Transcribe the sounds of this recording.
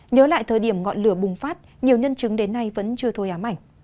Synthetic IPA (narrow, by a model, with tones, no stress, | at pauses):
ɲəː˨˦la̰ː˧˨jt̪ʰəː˨˩jɗi˧˩əmŋɔ̰˧˨nlɨ˧˩əɓʊ˨˩ŋ͡mfaː˦˥t̚ | ɲi˨˩əwɲə˧nt͡ɕɨ˨˦ŋɗe˨˦nːa˧jvə̰˧˥nt͡ɕɨ˧ət̪ʰo˧jʔaː˨˦mʔa̰˧˩jŋ̟